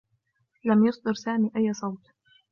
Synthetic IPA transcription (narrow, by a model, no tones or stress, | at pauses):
lamjʊsˤd̪ɨɾsaːmiːʔajːsˤɑwt̪